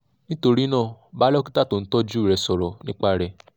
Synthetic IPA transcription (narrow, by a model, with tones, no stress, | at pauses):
nĩ˦to˧ɾi˦nãː˦˨ba˨˦lɔ˦ki˦ta˦˨to˨n̩˦tɔ˦d͡ʒu˦˨ɾɛ˨sɔ˨ɾɔ˨nĩ˦k͡pa˦ɾɛ˨